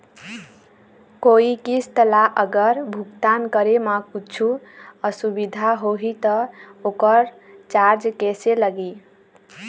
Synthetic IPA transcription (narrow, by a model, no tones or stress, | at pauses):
koikist̪əlaʔəɡəɾbʱukt̪ankəɾemakut͡ʃʰuəsubid̪ʱaɦoɦit̪ʌokəɾ | t͡ʃaɾd͡ʒkeseləɡi